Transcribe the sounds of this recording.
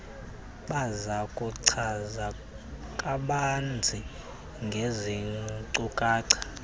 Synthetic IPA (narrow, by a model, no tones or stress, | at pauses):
ɓazakʼuǀʰaza | kʼaɓand͡zʱi | ŋɡʱeziǀukʼaːǀḁ